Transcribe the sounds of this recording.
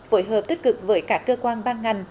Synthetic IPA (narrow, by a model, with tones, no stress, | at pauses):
fo˧˦jɦəː˨˩p̚t̪i˦˥k̟̚kɨ˨˩k̚vəː˨˦jkaː˦˥kːəː˧kwaː˧nɓaː˧nŋa˨˩jŋ̟